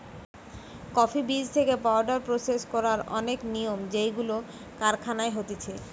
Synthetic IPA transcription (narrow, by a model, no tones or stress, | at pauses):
kɔfibid͡ʑt̪ʰekepaoɾɖaɾpɾoseskɔɾaɾɔ̰nekniomd͡ʑejɡulo | kaɾkʰanaeɦot̪et͡ɕʰe